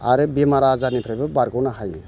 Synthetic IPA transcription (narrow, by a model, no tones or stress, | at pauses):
aɾɯbemaɾazanipʰɾabɯbaɾɡɔwnaɦajni